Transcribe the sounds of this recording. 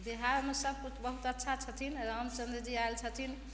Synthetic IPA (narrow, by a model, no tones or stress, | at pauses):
biɦaɾmesəb̚kut͡ʃʰbəɦut̪ətːʃʰat͡ʃʰət̪ʰinɾəmt͡ʃənd̪ed͡ʒiaelt͡ʃʰət̪ʰin